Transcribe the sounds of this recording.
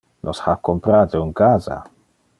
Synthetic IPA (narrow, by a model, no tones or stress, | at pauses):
nʔɔshakɔmpɾad̪eunkaza̰